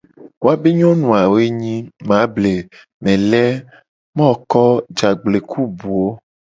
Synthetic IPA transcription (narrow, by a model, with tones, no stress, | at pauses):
wo˦a˦be˦ɲɔ̃˦nũ˨a˨wo˦e˦ɲĩ˦mã˨˦ble˨ | mɛ̃˨lɛ˦ | mɔ̃˦˨kɔ˦d͡ʒa˨ɡ͡ble˨kʰu˦bu˨o˦